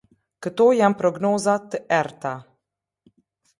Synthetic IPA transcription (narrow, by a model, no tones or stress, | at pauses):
kət̪oːjampɾɔɡnoːzat̪ːəʔɛɾt̪a